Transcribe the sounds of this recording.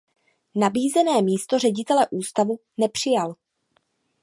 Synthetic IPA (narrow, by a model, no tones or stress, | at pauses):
nabiːzɛnɛːmiːst̪o̞rɛɟɪt̪ɛlɛʔuːst̪avu | nɛpr̝̥ɪjal